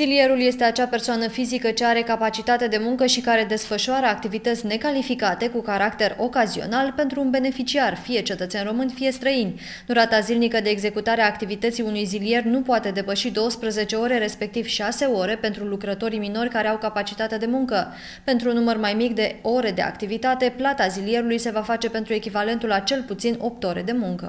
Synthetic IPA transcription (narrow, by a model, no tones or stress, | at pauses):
zilie̞ɾulje̞st̪e̞at͡ʃape̞rsoanəfizikət͡ʃe̞aɾe̞kapat͡ʃit̪at̪e̞d̪e̞muŋkəʃikaɾe̞d̪e̞sfəʃoaɾəak̚t̪ivit̪ət̪sʲne̞kalifikat̪e̞kukaɾakt̪eɾo̞kazio̞̰nalpe̞nt̪ɾuːnbe̞ne̞fit͡ʃiarfije̞t͡ʃe̞t̪ət̪senro̞mɨnʲfije̞st̪ɾəinʲ | d̪uɾat̪azilnikəd̪e̞ːɡze̞kut̪aɾeaːkt̪ivit̪ət̪sijunujzilie̞rnupoat̪e̞d̪e̞pəʃid̪o̞wəspɾəze̞t͡ʃe̞o̞ɾe̞ɾe̞spe̞k̚t̪iv̥ʃase̞o̞ɾe̞pe̞nt̪ɾulukɾət̪o̞ɾimino̞rʲkaɾe̞awkapat͡ʃit̪at̪ed̪e̞muŋkə | pe̞nt̪ɾunːumərmajmikd̪e̞o̞ɾe̞d̪e̞a̰kt̪ivit̪at̪e̞plat̪azilie̞ɾulujse̞vafat͡ʃe̞pe̞nt̪ɾue̞kʲivale̞nt̪ulat͡ʃe̞lput̪sino̞p̚t̪o̞ɾe̞̰d̪e̞muŋkə̰